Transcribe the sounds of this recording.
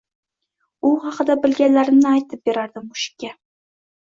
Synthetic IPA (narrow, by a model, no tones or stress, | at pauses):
ʊχɑqʰɨd̪abɪlɡʲanlaɾɪmnɪajt̪ʰɪp̚beɾaɾd̪ɪmʊʃɪ̥kʲːa